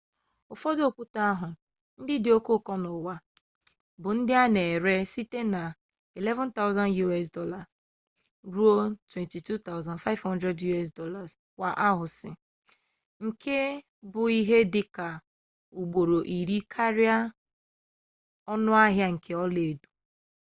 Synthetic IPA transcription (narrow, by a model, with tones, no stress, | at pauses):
ʊ˨fɔ˦do˦˨kʷu˦ta˦a˦ɦʊ˨ | n̩˦dɪ˦dɪ˨o˦ko˦˨kɔ˦nʊ˨wa˦ | bʊ˨n̩˦dɪ˦a˦ne˨ɾe˦si˦te˦na˨ | i˨lɛ˦vɔ̃˦nta˦ʊ˦za˦nju˦ɛ˦s̬dɔ˦la˨ | ɾu˦o˦ltwe˨nti˨tu˦t̪a˦ʊza˨nfa˦ɪ˦vhɔ˦ndɾɛ˦dju˦ɛ˦˨s̬dɔ˦la˨z | wʷa˨ʔa˦ɦʊ˨sɪ˨ | ŋ̩˨kʰe˦ | bʊ˨i˦ɦe˦dɪ˦ka˨ | u˨ɡ͡bo˨ɾo˨ʔi˨ɾi˦kʰa˦ɾɪ˦a˦ | ɔ˦nʊ˦a˦ɦja˦ŋ̩˨kʰe˨ɔ˦le˨du̥˨